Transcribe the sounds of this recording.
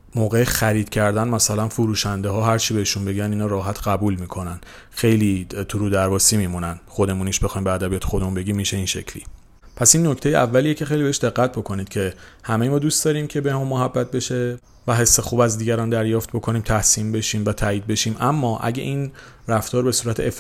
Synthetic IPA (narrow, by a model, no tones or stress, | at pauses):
moːɣejexæɾiːd̪̥cʰæɾd̪ænmæsælænfuɾuːʃænd̪eɦɒːɦæɾt͡ʃʰibe̞iʃunbe̞ɟæniːnɒːɾɒːɦæt̪ʰɢæbuːlmiːkʰo̞næn | xe̞jlit̪ʰuɾud̪æɾvɒːsiːmiːmunænxo̞d̪e̞muniʃbe̞xɒːjimbeæd̪æbiɒːt̪ʰexo̞d̪e̞munbe̞ɟiːmːiːʃe̞iːnʃe̞cʰlḭ | pʰæsinːo̞cʰt̪e̞jeʔævːæliːecʰe̞xe̞jlibe̞eʃd̪e̞ɣːæt̪̚ʰbo̞kʰo̞niːd̪̚cʰe̞hæmejemɒːd̪uːst̪d̪ɒːɾiːmcʰe̞behemunmoɦæbːæt̪̚ʰbe̞ʃe | væɦe̞sːe̞xuːbæzd̪iːɟæɾɒːnd̪æɾjɒːft̪̚bo̞kʰo̞niːmt̪ʰæhsiːmbe̞ʃiːmvæt̪ʰæːiːd̪̚be̞ʃiːmʔæmːɒːʔæ̰ɟḛʔin | ræft̪ɒːɾbe̞suːɾæt̪ʰeef